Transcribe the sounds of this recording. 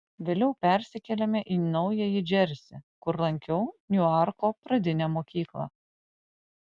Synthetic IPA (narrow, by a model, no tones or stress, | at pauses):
ʋʲeːlʲɛʊpʲæˑɾʲsʲɪkʲɛlʲɛmʲɛʔiːnɒʊjɛjɪd͡ʒʲɛɾʲsʲɪkʊɾlˠɐŋʲkʲɛʊnʲʊɑˑɾkopɾɐd̪ʲɪnʲɛːmoːkʲiːklˠɐ̰